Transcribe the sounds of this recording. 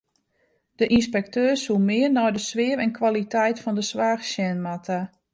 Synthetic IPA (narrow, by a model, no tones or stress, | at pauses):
d̥əʔinspɛk̚tøːsumɪərnɔjdəsʋɪəɾɛnkʰwalitɛjtfɔndəsʋaːxsjɛnmatʰa